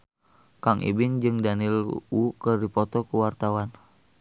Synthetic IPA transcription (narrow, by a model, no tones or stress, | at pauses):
kaŋʔḭbiŋd͡ʒɨŋdanilukɨrdipɔt̪ɔkuwart̪awan